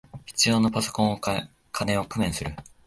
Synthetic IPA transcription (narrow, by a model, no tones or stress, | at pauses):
çi̥t͡sɨjo̞ːno̞paso̞̥kõɰ̃o | kʰanẽ̞o̞kɯ̟mẽ̞ɰ̃sɨɾɯ̟